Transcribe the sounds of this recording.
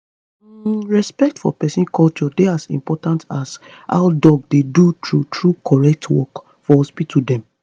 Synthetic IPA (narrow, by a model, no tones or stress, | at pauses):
ɹɛspɛk̚tfɔ̰pɛsĩnkʰɔlt͡ʃɔdeasḭ̃mpɔtãntas | a̰ʊdɔɡ̚dedutʰɹutɹukʰɔɹɛk̚tʰwɔ̰k | fɔhɔspitʰudɛ̃m